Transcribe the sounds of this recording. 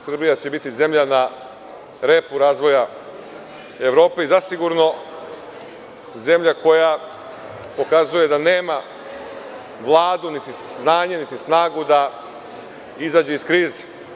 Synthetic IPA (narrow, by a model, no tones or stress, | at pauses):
sr̩bijat͡ɕebit̪ize̞mʎana | ɾe̞puɾaːzʋo̞ja | e̞ʋɾo̞ːpe̞izasiɡuɾno̞ | ze̞mʎako̞ja | po̞kazuje̞d̪aneːma | ʋlˠaːd̪unit̪isnaːɲenit̪isnaːɡud̪a | izaːd͡ʑeiskɾiːze̥